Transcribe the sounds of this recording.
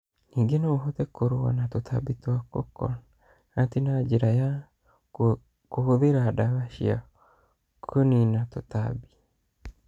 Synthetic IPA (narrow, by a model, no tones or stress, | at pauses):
niɡenoɦotekʰoɾowa̰natotʰa̰bitwako̰kɔ̰n | atinad͡ʒiɾaja | kohoðeɾadaβaʃia̰ | kʰoninatota̰bi̥